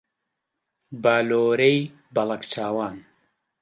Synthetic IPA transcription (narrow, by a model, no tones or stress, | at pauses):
baːloːɾej | bɐlɐkt͡ʃaːwaːn